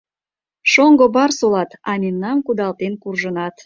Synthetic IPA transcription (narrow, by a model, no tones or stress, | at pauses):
ʃoŋɡobɑrsolɑt̪ɑnʲinːɑmkud̪ɑlt̪enkurʒənɑt̪